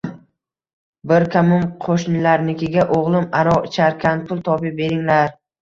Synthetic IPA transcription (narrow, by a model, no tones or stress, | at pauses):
bɪɾkʲʰamʊmqʰoʃnɪlaɾnɪkʲʰɪɡʲaʔoʁlˠɪmaɾɒt͡ʃʰaɾkʲʰanpʰʊlˠt̪ʰɒpɪbe̞ɾɪŋlaɾ